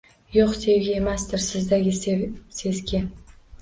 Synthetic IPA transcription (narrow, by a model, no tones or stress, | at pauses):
joqse̞vɡʲaemasd̪ɪɾsɪzd̪aɡʲɪse̞zɡʲɪ